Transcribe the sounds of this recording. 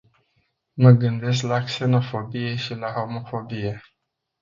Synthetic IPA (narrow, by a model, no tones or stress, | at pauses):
məɡɨnd̪e̞s̬klakse̞no̞fobije̞ʃilaho̞mo̞fo̞bije